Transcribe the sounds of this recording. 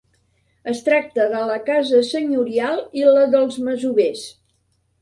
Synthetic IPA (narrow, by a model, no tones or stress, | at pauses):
əst̪ɾak̚t̪əðələkazəsəɲuɾialˠiləðəlˠzməzuβes